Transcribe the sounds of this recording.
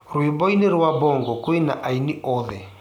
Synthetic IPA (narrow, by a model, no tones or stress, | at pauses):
ɾuibɔineɾuwabɔŋɡɔkoina̰ʔainiɔðɛ